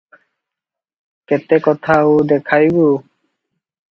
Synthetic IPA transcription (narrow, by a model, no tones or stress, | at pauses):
kɛt̪ɛkɔt̪ʰaʊd̪ɛkʰajbu